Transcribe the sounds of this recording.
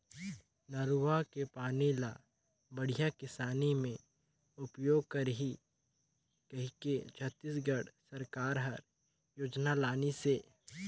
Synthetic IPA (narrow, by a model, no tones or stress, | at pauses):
nɐɾuʋakepaːnilaː | bɐɽ̤ijakɪsaːnimẽ | ʊpjoːɡ̚kɐɾɦi | kɐɦiket͡ʃʰət̪ːisɡəɽsəɾkaːɾɦɐɾ | joːd͡ʒnalaːniseː